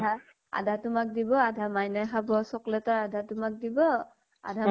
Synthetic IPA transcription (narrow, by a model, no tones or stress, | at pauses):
a | a̰dʱatʊmak̚dibɔadʱamajnajxabɔsɔklɛtaɹadʱatʊmak̚dibɔ | a̰dʱa